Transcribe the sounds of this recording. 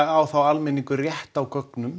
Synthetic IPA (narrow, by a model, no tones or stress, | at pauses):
ɣawθawalmɛniŋkʏrjɛht̪awkœknʏm